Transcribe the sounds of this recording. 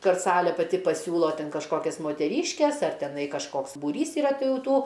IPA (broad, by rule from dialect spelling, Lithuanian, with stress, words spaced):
ˈkɐt ˈsɑːlʲeː pɐˈtʲɪ pɐˈsʲuːlˠoː ˈtʲɛn kɐʃˈkoːkʲɛs moːtʲɛˈrʲiːʃʲkʲɛs ˈɐr tʲɛˈnɐɪ kɐʃˈkoːks buːˈrʲiːs iːˈrɐ ˈtʲɪ ˈjɛʊ ˈtuː